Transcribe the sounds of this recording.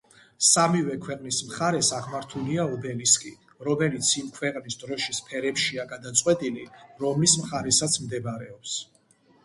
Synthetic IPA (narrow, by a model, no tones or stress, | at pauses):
samivɛkʰwɛqʼnismχaɾɛsaʁmaɾt̪ʰuliaubɛliskʼi | ɾɔmɛlit̪sʰimkʰwɛqʼnisd̪ɾɔʃispʰɛɾɛpʃiaɡad̪at̪sʼqʼwɛt̪ʼiliɾɔmlismχaɾɛsat̪sʰmd̪ɛbaɾɛɔps